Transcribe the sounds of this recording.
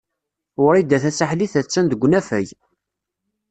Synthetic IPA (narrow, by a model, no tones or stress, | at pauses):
ɾid̪ːæθæt͡sːaħliθæt͡sːænd̪əɡʷːnæfæ̰j